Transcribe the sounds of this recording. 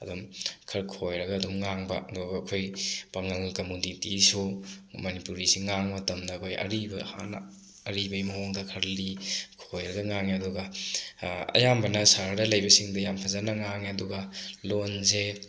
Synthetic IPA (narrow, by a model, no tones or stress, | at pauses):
ɐdumkʰɐɾkʰojɾɐɡɐːdumŋaŋbɐ̰ɐduɡɐɐkʰojpaŋɐlkɐmunitisumɐnipuɾisiŋaŋmɐtɐmdɐːkʰojʔɐ̰ɾibɐha̰n̰ | ɐɾibɐjmɐɦoŋdɐkʰɐɾlikʰojɾɐɡɐŋaŋeɐduɡɐ | ɐ̰jambɐnɐsaɾdɐlɐjbɐsiŋdɐjampʰɐzanɐŋaŋeɐduɡɐlonze